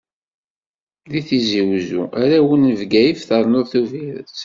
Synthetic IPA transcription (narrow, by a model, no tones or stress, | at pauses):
ðiθiziwzṵaɾæwənːəvɡæjəfθəɾˤnoɾθuviɾə̰t͡s